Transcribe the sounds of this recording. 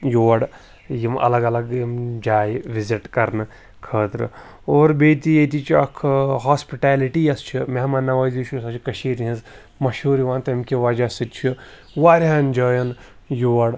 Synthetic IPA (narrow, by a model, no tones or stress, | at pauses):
joːɽ | jimɐ̰lɐɡɐlɐɡjimd͡ʒaːjʋiziʈkɐɾnɨ | kʰəːt̪ɾɨ̰ | oːɾbeːt̪ijet̪it͡ʃʰiɐkʰɦaːspiʈaːliʈijɐst͡ʃʰimeɦmaːnːɐʋɐːzit͡ʃʰusɐt͡ʃʰikɐʃiːɾɦĩnz | mɐʃuːɾiʋaːnt̪ɐimkiʋaːd͡ʒasit̪t͡ʃʰi | ʋaːɾʲɦanʲd͡ʒaːjɐn | joːɐɽ